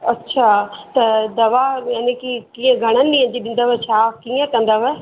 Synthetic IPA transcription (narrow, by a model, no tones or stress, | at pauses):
ɐtːʃʰaːt̪ɐd̪ɐʋaːjanikikĩẽɡʱəɽ̃ənːĩːə̃ɲd͡ʒiɗɪ̃nd̪aʋɛt͡ʃʰaːkĩːẽkə̃nd̪aʋɛ